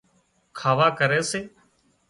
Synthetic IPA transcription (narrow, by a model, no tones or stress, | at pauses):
kʰaːʋaːkəɾeːseː